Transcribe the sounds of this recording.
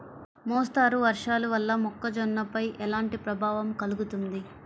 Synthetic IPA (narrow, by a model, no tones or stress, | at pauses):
mɔːst̪aːɾuʋɐɾʂaːluʋɐlːɐmɔkːɐd͡ʒɔnːɐpɐjʔɛlaːɳʈipɾɐbʱaːʋɐmkɐluɡut̪und̪i